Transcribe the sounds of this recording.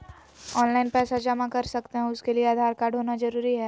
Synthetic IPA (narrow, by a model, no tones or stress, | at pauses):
ɔːnlaɪnpɛːsad͡ʒɐmãkɐɾsɐkt̪eɦɛ̃ʊskelieaːd̪ʱaːɾkaːɾɖʱɦoːnazɐɾuːɾiɦɛː